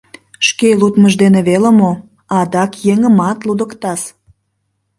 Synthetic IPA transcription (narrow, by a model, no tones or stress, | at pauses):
ʃkelut̪məʒd̪eneβeləmo | ɑd̪ɑkjeŋəmɑt̪lud̪əkt̪ɑs